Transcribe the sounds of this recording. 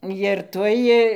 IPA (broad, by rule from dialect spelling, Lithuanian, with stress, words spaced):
jɪr ˈtuɔj